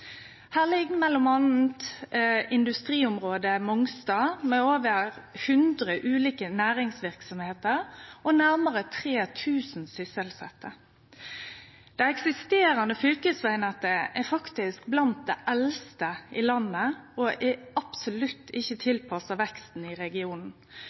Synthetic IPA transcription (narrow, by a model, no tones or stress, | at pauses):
hæːʁlɪɡːmɛlːʊmɑnn̩t̪ | ɪnd̪ʉst̪ʁiːʊmʁoːd̪əmɔŋst̪ɑːmɛoːʋəʁhʉnd̪ʁəʔʉːliːkənæːɾɪŋsʋɪʁksɔmheːt̪əʁɔnæʁməʁət̪ʰʁeːt̪ʰʉːsn̩sʏsəlsɛt̪ʰːə | d̪̥ɛɛksɪst̪eːɾɑnəfʏlkəsʋæɪnɑt̪əɛfɑkt̪ɪsk̚blɑnt̪̚d̪ɛʔɛlst̪əʔɪlɑnːəɔʔɛɑpsʊlʉt̪ʰːɪçːət̪ʰɪlpʰɑsɑʋɛkst̪n̩ɪʁɛɡɪuːnn̩